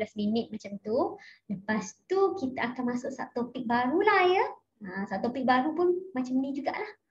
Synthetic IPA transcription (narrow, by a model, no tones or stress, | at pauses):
lasminɪt̪̚mat͡ʃamt̪uləpast̪ukit̪aʔakanmasʊʔsa̰ʔt̪opɪk̚baɾulahjə | asaʔ̚t̪opik̚baɾupʊnmat͡ʃamnid͡ʒuɡa̰ʔlah